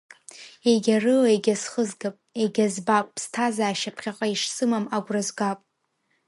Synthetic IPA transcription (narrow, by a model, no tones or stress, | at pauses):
eɡʲarɨlaeɡʲasχəzɡapʼeɡʲazbapʷʼʰstʰazaːʃapʰχʲaqʼaiʂsɨmamaɡʷrazɡapʼ